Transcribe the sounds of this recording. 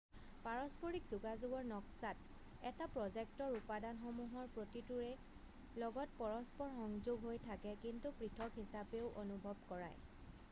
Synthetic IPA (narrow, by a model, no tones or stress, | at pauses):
paɹɔspoɹikzuɡazʊɡɔɹnɔksat | ɛtapɹɔzɛktɔɹupadanxɔmuɦɔɹpɹotituɹɛ | lɔɡɔtpɔɹɔspɔɹxɔŋzoɡɦojtʰakɛkintupɹitʰɔkɦisapeʊʔonubʱɔb̚kɔɹa̰j